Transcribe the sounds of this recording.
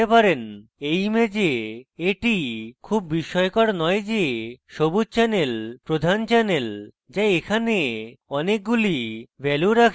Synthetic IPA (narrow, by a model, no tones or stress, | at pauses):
epaɾenejmed͡ʑeeʈikʰubːiʃɔekɔɽnɔjd͡ʑeʃobutt͡ɕɛnelpɾod̪ʱant͡ɕɛnel | d͡ʑaekʰaneɔnek̚ɡulibʱɛluɾakʰ